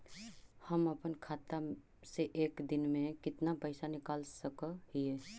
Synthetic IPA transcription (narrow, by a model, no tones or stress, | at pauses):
həməpənkʰaːt̪a | seʔeːkd̪ɪnmẽkɪt̪napəɪsanɪkaːlsəkəhie